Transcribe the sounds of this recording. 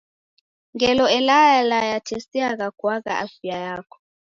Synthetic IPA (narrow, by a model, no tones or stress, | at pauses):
ŋɡɛlɔɛlajalajatʰesiak̬aɡ̥wakʼa̰ʔafiajaːkʰɔ̥